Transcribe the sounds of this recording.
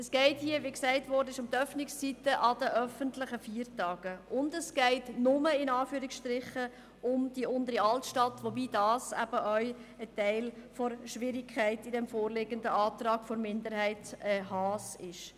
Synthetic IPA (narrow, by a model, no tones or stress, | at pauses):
əsɡ̥ɛɪthiəʋiksæɪtʋɔɾdəɪʃʊmt̪œfnɪkst͡sitəʔɑdəʔœfəntlɪχəfiːəɾtɑːɡ̥əʔʊndəsɡ̥ɛɪtnʊməɪnɑːfyːɾiksʃtɾɪχə | ʊmd̥iʔʊndəɾiɑltʃtɑtʋobiːdɑːsæ̰b̥əʔœʏətæɪlfɔɾʃʋɪɾɪkʰχæɪtidɛmfoːɾlɪɡəndəɑːtrɑːɡ̥fɔɾmɪndəɾhæɪtɛhɑːsɪʃ